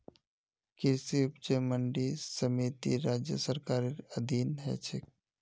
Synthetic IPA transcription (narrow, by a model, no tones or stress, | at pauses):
kɪɾsiʊp̚t͡ʃeməɳɖisəmiːt̪ḭɾaːd͡ʒjəsəɾkaːɾeɾəd̪ʱiːnɦɛ̰t͡ʃʰɪk̚